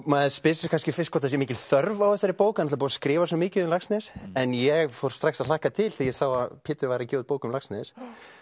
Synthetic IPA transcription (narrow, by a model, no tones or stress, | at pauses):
maðspɪsɪskʰanscɪfɪst̪kʰɔːt̪ːas̬jɛmɪːcɪlθœɾvawθɛsːaɾɪpoːwkanat̪lapːaskɾɪːvaswɔmɪːcɪðʏmlaksnɛɾɛnjɛɣfowɾ̥st̪ɾaxsaðlahkat̪ʰɪlθijɛsawaðpʰɪːt̪ʏvajɾacoːðpoːwkʏmlaksnɛðs